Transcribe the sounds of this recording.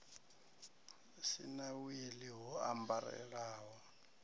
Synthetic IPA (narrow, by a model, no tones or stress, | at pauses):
sḭnawiliɦɔa̰mbaɾɛ̰ɺaːɦɔ